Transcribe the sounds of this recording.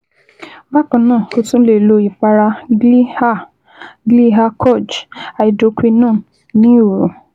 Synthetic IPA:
ba˦˨kã˨nãː˦˨ko˧tũ˦le˨lo˧i˨fa˧ɾa˧˦ | ɡli˦ɦa˧kʰɔ˦˨d͡ʒa˨i˨do˨˧kʷi˧nũː˦˨ | nĩ˦i˦˨ɾu˨

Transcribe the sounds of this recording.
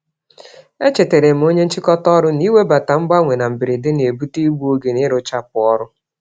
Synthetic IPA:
e˦t͡ʃe˨te˨ɾe˨m̩˨˦o˦ɲe˦n̩˦t͡ʃɪ˦kɔ˦tɔ˦ɾʊ˦ni˦we˦ba˨ta˨m̩˦ɡ͡ba˦ŋʷe˨na˨m̩˨bɪ˨ɾɪ˨dɪ˦ne˨bu˦ti˦ɡ͡bu˦o˦ɡe˨nɪ˦ɾʊ˦t͡ʃa˦p̚ʊ˨ɔ˦ɾʊ˦

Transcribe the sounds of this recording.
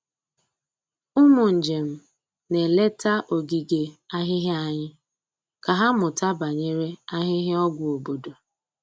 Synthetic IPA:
ʊ˦mʊ˨n̩˨d͡ʒe˨m̩˦ | ne˨le˦ta˦ʔo˨ɡi˨ɡe˨a˦ɦɪ˦ɦɪ˦a˨ɲɪ˦ | ka˨ɦa˦mʊ˨ta˦ba˨ɲe˦ɾe˦a˦ɦɪ˦ɦɪ˦ɔ˦ɡʷʊ˨o˨bo˨do˨

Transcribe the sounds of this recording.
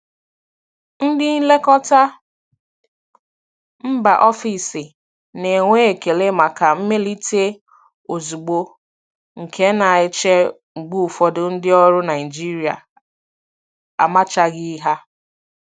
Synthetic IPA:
n̩˦dɪ˦n̩˦le˦kɔ˦ta˦ | m̩˦ba̰˨ʔɔ˦fi˨sɪ˨ | ne˨ŋʷe˦e˨ke˨le˦ma˨ka˨m̩˦me˦li˦te˦ | o˨zu˨ɡ͡bo˦ | ŋ̩˨kʰe˦na˨ɪ˦t͡ʃe˦ | ŋ͡m̩˨ɡ͡bu˦˨fɔ˦dʊ˦˨n̩˦dɪ˦ɔ˦ɾʊ˦na˨ɪ˨d͡ʒi˦ɾi˨a̰˨ | a̰˨ma˦t͡ʃa˦ɡɪ˦ɦa˦

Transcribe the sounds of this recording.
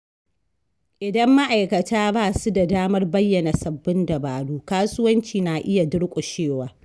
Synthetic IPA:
ʔɪ˨dɐ˦mːa˦ʔa˨jkɐ˨taː˦baː˦˨su˦da˨daː˦mɐ˦rbɐ˦jːɐ˨na˨sɐ˨bːɪ˦ndɐ˨baː˨ɽuː˦kaː˦sʊ˦wɐ˦nt͡ʃiː˨naː˨ʔɪ˦ja˨dʊ˦ɽkʷʼʊ˨ʃeː˦˨waː˨˦

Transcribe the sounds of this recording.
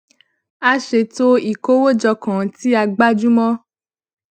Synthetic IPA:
a˧ʃe˧˨to˦i˨ko˦wo˦d͡ʒɔ˧kã˨˦ti˦a˧ɡ͡ba˦d͡ʒu˦mɔ̃˦

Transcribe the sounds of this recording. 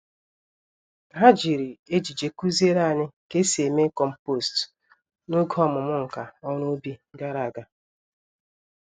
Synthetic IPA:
ɦa˦d͡ʒi˨ɾi˨e˦d͡ʒi˨d͡ʒe˨ku˦ze˦ɾa˦a˨ɲɪ˦ke˦si˨e˨me˦kɔ˨m̩˨po˦˨st | nʊ˦ɡɔ˦˨mʊ˨mʊ˦ŋ̩˨ka˨ɔ˦ɾʊ˦o˦bi˦da˦ɾa˨ɡa˨

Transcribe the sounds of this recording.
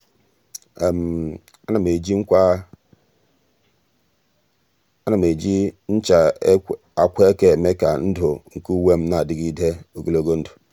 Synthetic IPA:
m˨ | a˦na˨me˨d͡ʒi˦ŋ̩˦kʷa˦ | a˦na˨me˨d͡ʒi˦n̩˦t͡ʃa˨˦ | a˨kʷe˦e˦ke˦˨me˦ka˨n̩˦do˨ŋ̩˨ku˦we˦m̩˦na˨di˦ɡi˦de˦o˨ɡo˦lo˦˨ɡo˦n̩˦du̥˨

